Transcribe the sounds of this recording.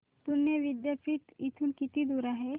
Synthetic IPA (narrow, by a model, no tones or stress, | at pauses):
t̪unjeʋɪd̪japʰiʈ̪it̪ʰunkit̪id̪uɾaɦɛ